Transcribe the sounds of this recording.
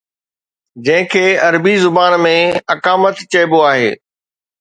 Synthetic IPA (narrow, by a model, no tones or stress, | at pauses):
d͡ʑɐ̃ɦɪ̃kʰeːɐɾbizʊbaːnmẽɐkaːmət̪t͡ɕɐːboaːɦeː